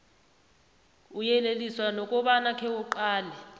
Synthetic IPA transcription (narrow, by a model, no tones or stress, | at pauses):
ujɛleliswanɔkʼɔɓanakʰɛuǃaːlɛ